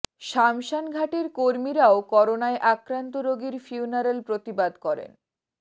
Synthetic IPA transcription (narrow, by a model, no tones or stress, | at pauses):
ʃamʃanɡʱaʈeɾkoɾmiɾaokɔɾonaeʔakɾant̪oɾoɡiɾfiunaɾelpɾot̪ibad̪kɔɾḛn